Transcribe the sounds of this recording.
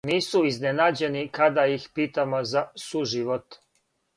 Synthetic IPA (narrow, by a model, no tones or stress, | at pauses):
niːsuiznenaːd͡ʑe̞nikad̪ajixpiːt̪amozasuʒiʋot̪